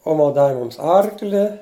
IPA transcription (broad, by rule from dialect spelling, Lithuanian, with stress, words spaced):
ˈoːmɐ ˈdɑːʋʲɪ ˈmʊms ˈɐrklʲɪ